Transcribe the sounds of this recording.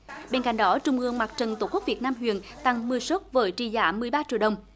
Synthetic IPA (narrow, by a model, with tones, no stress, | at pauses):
ɓe˧nka̰˧˨jŋ̟ɗɔ˨˦t͡ɕʊ˨˧ŋ͡mʔɨ˧əŋmaː˨˩k̚t͡ɕə˨˩nt̪o˧˩ku˦˥k̚vi˨˩ət̚naː˧mɦwḭ˧˨ənt̪a˧ŋmɨ˨əjso˦˥t̚vəː˨˦jt͡ɕi˧˩zaː˧˩˦mɨ˨˩əjɓaː˧t͡ɕḭ˧˨əwɗə˨˩wŋ͡m